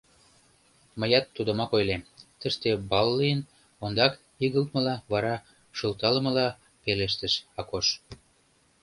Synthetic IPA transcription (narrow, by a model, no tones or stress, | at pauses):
məjɑt̪ːud̪ə̆mɑkojlemt̪əʃt̪ebɑlːiən | ond̪ɑk | iɣəlt̪̚mə̆lɑβɑɾɑ | ʃəlt̪ɑlə̆mə̆lɑ | peleʃ̬t̪əʃɑkoʃ